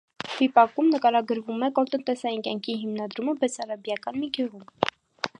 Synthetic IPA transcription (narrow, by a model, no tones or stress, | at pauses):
v̥ipɑkumnəkɑɾɑɡəɾvumɛkɔɾt̪ənt̪ɛsɑjinkʲjɑŋkʰiɦimnɑd̪ɾuməbɛt͡sʰɑɾɑbjɑkɑnmiɡʰɛʁum